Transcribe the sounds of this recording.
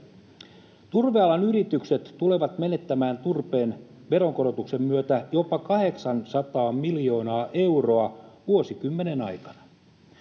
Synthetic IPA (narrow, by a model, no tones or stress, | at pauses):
t̪urʋeɑlɑnyɾit̪ykset̪ːule̞ʋɑt̪me̞ne̞t̪ːæmæːnt̪urpe̞ːn | ʋe̞ɾo̞ŋko̞ɾo̞t̪ukse̞mmyøt̪æjo̞pɑkɑɦe̞ksɑnsɑt̪ɑːmmiljo̞ːnɑːʔe̞wro̞ɑʋuo̞sikymːe̞ne̞nɑ̰jkɑnɑ̥